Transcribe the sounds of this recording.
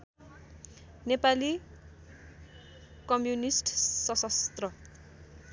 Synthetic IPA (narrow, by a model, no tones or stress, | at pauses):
nepali | kʌmjunisʈsʌsʌst̪rʌ